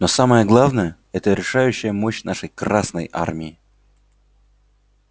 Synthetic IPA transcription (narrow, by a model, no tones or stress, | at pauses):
nosaməjəɡlˠavnəjə | ɛt̪əɾʲɪʂajʉɕːɪjəmoɕnaʂəjkrasnə̰jʔa̰rmʲɪɪ